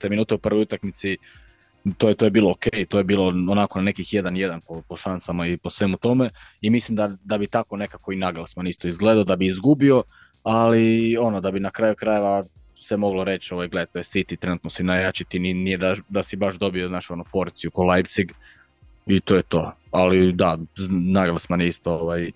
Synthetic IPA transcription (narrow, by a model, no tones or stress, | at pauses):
t̪eminuːt̪eupr̩ʋo̞jut̪akmit̪si | t̪ojet̪ojebiːlˠookejit̪ojebiːlˠoonakonane̞kixje̞d̪anje̞d̪anpopo̞ʃansamaipo̞sʋe̞mut̪o̞me̞imislimd̪ad̪abit̪ako̞ne̞kako̞inaɡalˠsmanist̪oizɡle̞d̪aod̪abiizɡubio̞ | alio̞nod̪abinakɾajukɾaje̞ʋa | semo̞ɡloɾe̞t͡ɕo̞ʋajɡled̪et̪ojesit̪it̪ɾe̞nut̪nosinajat͡ɕit̪ininijed̪ad̪asibaʃd̪o̞bioznaːt͡ʃo̞nopo̞ɾt̪sijukolˠajpt̪siɡ | it̪ojet̪o̞alid̪anaɡalsmanist̪o̞oʋaj